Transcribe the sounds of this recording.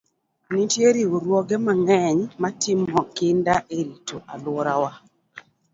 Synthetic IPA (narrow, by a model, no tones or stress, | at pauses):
nitjeɾioɾwɔɡɛmaŋɛɲmatɪmɔkɪndaʔeɾitʰoʔalwɔɾawa